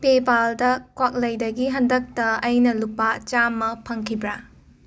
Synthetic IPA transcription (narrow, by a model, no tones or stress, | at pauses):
pebaldɐkwak̚lɐjdɐɡiɦɐndɐk̚tɐɐjnɐlupːat͡ʃamːɐpʰɐŋkʰibɾa